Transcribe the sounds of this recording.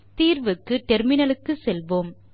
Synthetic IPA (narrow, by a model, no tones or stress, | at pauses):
t̪iːɾʋɯkːɯʈɛɾmɪnɐlɯkːɯsɛlʋoːm